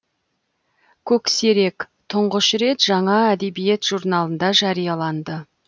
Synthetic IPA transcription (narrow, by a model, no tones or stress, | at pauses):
kʲʰɵkse̞ɾe̞k | t̪ʰʊɴʁəʃɾe̞t̪ʒɑɴɑæd̪e̞bijet̪ʒ̥uɾnɑlˠənd̪ɑʒɑɾijɑlˠɑnd̪ə